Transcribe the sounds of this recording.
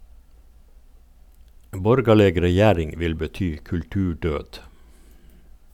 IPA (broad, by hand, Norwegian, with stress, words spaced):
ˈbɔɾɡɑləɡ ɾɛˈjæːɾɪŋ ˈʋɪl bəˈtyː kʉlˈtʉːˌɖøːd